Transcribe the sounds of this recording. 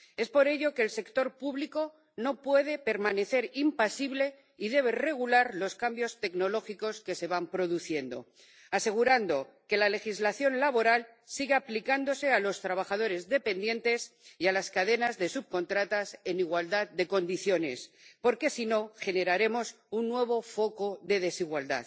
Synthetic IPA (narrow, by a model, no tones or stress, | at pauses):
e̞spo̞ɾe̞ʎo̞keːlse̞kt̪o̞ɾpuβliko̞ | no̞pwe̞ð̞e̞pe̞ɾmane̞θe̞ɾimpasiβle̞ | iðe̞β̞e̞re̞ɣ̞ulaɾlo̞skambjo̞st̪e̞kno̞lo̞xiko̞ske̞se̞βampɾo̞ðuθje̞nd̪o̞̰ | ase̞ɣ̞uɾand̪o̞ | ke̞lale̞xizlaθjo̞nlaβo̞ɾal | siɣeaplikand̪o̞se̞alo̞st̪ɾaβ̞axað̞o̞ɾe̞zðe̞pe̞nd̪je̞nt̪e̞sialaskaðe̞nazðe̞suβ̚ko̞nt̪ɾat̪ase̞niɣwald̪að̚d̪e̞ko̞nd̪iθjo̞ne̞̰s | po̞ɾke̞sino̞χe̞ne̞ɾaɾe̞mo̞s | unːwe̞β̞o̞fo̞ko̞ðe̞ðe̞siɣwald̪a̰ð